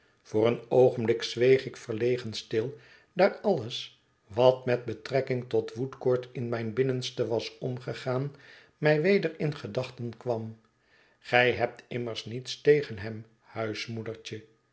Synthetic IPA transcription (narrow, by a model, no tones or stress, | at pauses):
v̥ʊːrənowχənblɪkzʋejχɪkfəɹlejχənstɪlˠ | daːrɑləs | ʋɑtmɛd̚bətrɛkɪŋtɔtʋutkʊːɹtɪnmɛjnbɪnənstəʋɑsɔmχəχaːn | mɛjʋejdəɹɪnχədɑχtənkʋɑm | χɛjɦɛp̚tɪməɹsnitstejχənɦɛm | hœɥsmudəɹt͡ʃə